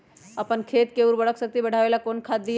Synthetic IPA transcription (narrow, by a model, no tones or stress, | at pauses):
əpənkʰeːt̪̚keuːɾbɐɽəksək̚t̪ibɐɽ̤aːʋeːlakoːnkʰaːd̪ːi